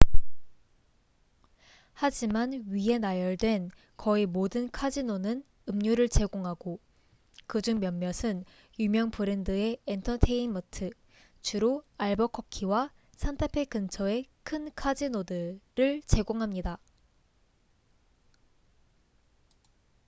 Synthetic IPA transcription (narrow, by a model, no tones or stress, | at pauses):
had͡ʑimanɥiɦe̞najʌɭdwe̞n | kʌimodɯnkʰad͡ʑinonɯn | ɯmɲuɾɯɭt͡ɕe̞ɡoŋɦaɡ̥o | kɯd͡ʑuŋmjʌmːjʌsʰɯn | jumjʌŋpʰɯɾendɯe̞entʰʌtʰe̞inmʌtʰɯ | t͡ɕuɾoaɭbʌkʰʌp̚kʰiwa | sʰantʰapʰekɯnt͡ɕʰʌe̞kʰɯnkʰad͡ʑinodɯɾɯɭt͡ɕe̞ɡoŋɦamɲida